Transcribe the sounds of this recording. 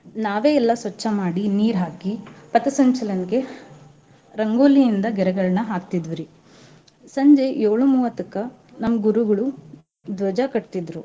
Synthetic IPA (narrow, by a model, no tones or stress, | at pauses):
naːʋe̞ːɛlːɐsʋɐt͡ʃːɐmaːɽiniːɾɦaːkipɐt̪ɐsɐɲt͡ʃɐlɐnɡe̞ | ɾɐŋɡoːlijind̪ɐɡɛɾɐɡɐɭɐnɐɦaːkt̪id̪ʋiɾi | sɐɲd͡ʒe̞joːɭumuːʋɐt̪ɐkːɐ | nɐmːɐɡuɾuɡɐɭu | d̪ʋɐd͡ʒɐkɐʈt̪id̪ɾu